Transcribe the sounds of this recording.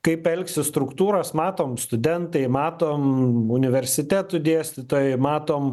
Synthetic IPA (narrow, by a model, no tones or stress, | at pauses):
kɐɪpɛlʲksʲɪst̪ɾʊkt̪uːɾɐsmɑːt̪oːmst̪ʊd̪ʲɛnt̪ɐɪmɑːt̪oːmʊnʲɪʋʲɛɾʲsʲɪt̪ʲæːt̪ʊd̪ʲiɛsʲt̪ʲɪt̪oːjɛɪmɑːt̪oːm